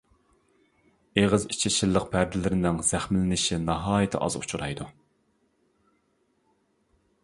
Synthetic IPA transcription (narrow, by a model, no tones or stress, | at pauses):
eʁəzi̥t͡ʃʰɪt͡ʃʰilˠːəq̚pʰæɾd̪ɪlɪɾɪnɪŋz̥æχmɪlɪnɪʃinɑɦɑːjɪt̪ʰɪ̰ʔɑ̰zṵt͡ʃʰuɾɑ̰jd̪u